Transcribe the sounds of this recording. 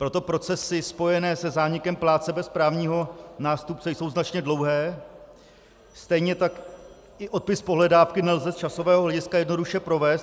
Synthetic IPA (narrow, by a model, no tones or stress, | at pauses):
pɾo̞t̪o̞pɾo̞t͡sɛsɪspo̞jɛnɛːsɛzaːɲɪkɛmplaːt͡sɛbɛspɾaːvɲiːɦo̞naːst̪up̚t͡sɛjso̞wznat͡ʃɲɛdlo̞wɦɛː | st̪ɛjɲɛt̪ak | ʔɪʔo̞t̪̚pɪspo̞ɦlɛdaːfkɪnɛlzɛst͡ʃaso̞vɛːɦoɦlɛɟɪskajɛdno̞duʃɛpɾo̞vɛːst̪